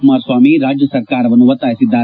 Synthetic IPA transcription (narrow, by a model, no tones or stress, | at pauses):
maːɾswaːmiɾaːd͡ʒjəsəɾkaːɾʋɐnuʋət̪aːɪsɪd̪aː